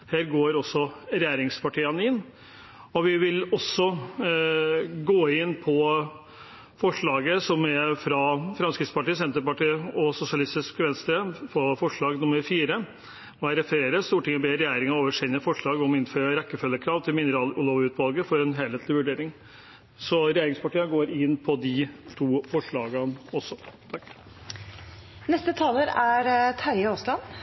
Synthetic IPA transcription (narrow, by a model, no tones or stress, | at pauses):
hæːɾɡoːɾɔsːɔɾɛjeːɾɪŋspʰɑʈʰiːənɪnː | ɔʋɪʋɪlɔsːɔ | ɡoːɪnːpʰɔ | fɔʂɭɑːɡəsɔmɛfɾɑfɾɑmskɾɪt̪spɑʈiːsɛnt̪əɾpɑʈiːɔsʊsɪɑlɪst̪ɪskʋɛnst̪əfɔfɔʂɭɑːɡnʊməɾfiːɾə | ɔæɾɛfəɾeːɾəst̪uːʈɪŋːəbeːɾɛjeːɾɪŋɑoːʋəʂɛnːəfɔʂɭɑːɡɔmɪnføːɾəɾɛkːəfœlːəkʰɾɑːʋt̪ʰɪlmɪnəɾɑːlːloʋʉːt̪ʰʋɑlɡəfɔɾɛnɦeːleːt̪lɪʋʉɖeːɾɪŋ | sɔɾɛjeːɾɪŋspɑʈiːəɡoːɾɪnːpʰɔd̪ɪt̪ʰuːfɔʂɭɑːɡənɔsːɔt̪ʰɑkː | nɛst̪ət̪ʰɑːləɾæɾt̪ʰæɾjəoslɑn